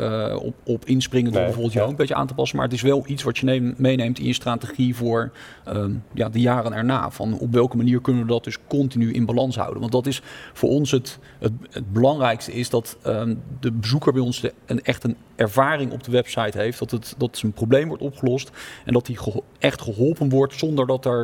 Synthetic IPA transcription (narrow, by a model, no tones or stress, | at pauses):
ɔpɪnsprɪŋəndbɛvoɹblˠtjəowkəmbejəʔa̰ːntəpɑsənma̰ːɹətɪsʋɛlˠitsʋɑtənmejnejmtɪ̰̃njəstraːtəχivʊːɹ | əja̰ːdəjaːrənɛ̰ɹna̰ːv̥ɑ̰nɔ̰pʋɛlˠkəmaniːɹkɵnənʋədɑt̚d̥ɵskɔntinyʔɪ̰nbalɑnsɦʌ̰wdə̰nʋɑntdɑtɪsfʊ̰ːɹɔnsɦət | ɦət̚əd̚bəlɑŋrɛjkstəɪsdɑtədəbəzukəɹbɛjɔnzdəəɛχtən | ɛɹvaːrɪŋɔ̰b̚dəʋɛpsɑjtɦejftdɑtətdɑtənprowblejmʋɔɹtɔpχəlɔstɛ̰ndɑtiχəʔɛχtχəɦɔlˠpənʋɔɹtsɔndəɹdɑtɛɹ